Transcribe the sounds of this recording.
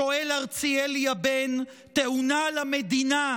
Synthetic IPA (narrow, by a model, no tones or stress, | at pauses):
o̞elaʁt͡sielijaben | t̪eʔunalamed̪ina